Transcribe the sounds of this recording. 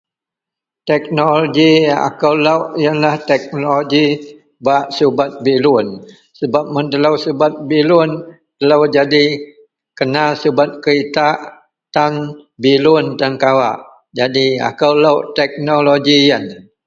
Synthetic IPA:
t̪ɛk̚noloɡia̰kəwləwʔijənlaht̪ɛk̚noloɡi | baʔsubat̪̚bilʊn | səbap̚mənd̪ələwsubat̪̚bilʊn | t̪ələwd͡ʒadi | kənasubat̪̚kəɾit̪a | t̪anbilʊnt̪ankawa̰ʔ | d͡ʒadia̰kəwlawʔt̪ɛk̚noloɡijən

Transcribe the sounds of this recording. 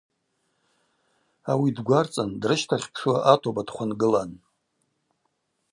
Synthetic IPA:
awidɡʷart͡sʼandrɨʃtʰaχʲpʰʂaʔatʰobadχʷanɡɨlan

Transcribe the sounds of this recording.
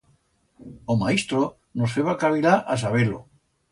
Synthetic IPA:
omaist̪ɾo | nosfeβakaβiɾaʔas̬aβelo̰

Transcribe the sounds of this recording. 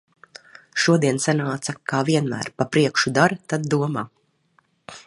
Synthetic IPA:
ʃuɔd̪iɛnsanaːt̪sakaːviɛnmæ̰ːɾpapɾiɛkʃud̪aɾat̪ad̪̚ːuɔmaː

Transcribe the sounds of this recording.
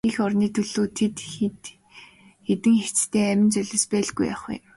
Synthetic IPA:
ixɔrniːt̪ʰɵɮoːt̪ʰet̪t̪ | xet̪ɘ̆ŋxet͡st̪ʰeːæmʲɪ̆nt͡sœɮə̆spæːɮɡuja̰χʊ̰m

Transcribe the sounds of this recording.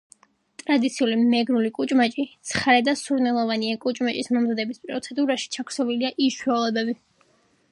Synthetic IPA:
t̪ʼɾad̪it̪sʰiulimɛɡɾulikʼut͡ʃʼmat͡ʃʼit̪sʰχaɾɛd̪asuɾnɛlˠɔvaniakʼut͡ʃʼmat͡ʃʼismɔmzad̪ɛbispʼɾɔt̪sʰɛd̪uɾaʃi̥t͡ʃʰakʰɾ̥sɔviliaʔiʃwɛlˠɔbɛbi

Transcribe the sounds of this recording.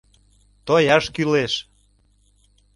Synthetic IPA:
t̪ojɑʃkyleʃ

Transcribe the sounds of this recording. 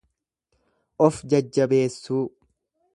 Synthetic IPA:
ʔɔfd͡ʒɐd͡ʒːɐbe̞ːsːuː

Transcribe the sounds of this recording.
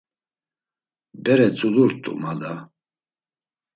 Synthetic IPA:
bɛɾɛt͡sʼud̪uɾt̪ʼṵmad̪a

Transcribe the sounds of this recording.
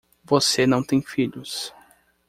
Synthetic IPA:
vosenɐ̃w̃t̪ẽj̃fiʎʊs

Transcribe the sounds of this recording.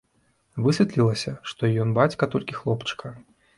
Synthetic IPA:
vɨsʲɛt̪lʲilˠɐsʲɐʂt̪ɔjɔnbat͡sʲkɐt̪ɔlʲkʲixlˠɔpt͡ʂkʰɐ

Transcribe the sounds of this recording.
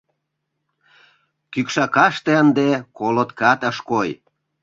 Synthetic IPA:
kykʃɑkɑʃt̪eənd̪ekolot̪kɑt̪əʃkoj

